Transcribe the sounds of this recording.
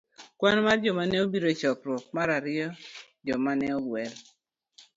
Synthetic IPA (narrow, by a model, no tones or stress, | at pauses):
kwanmard͡ʒɔmanɛobiɾot͡ʃɔkɾwɔk̚maɾaɾɪɔ | d͡ʒɔmanɛɔɡwɛɾ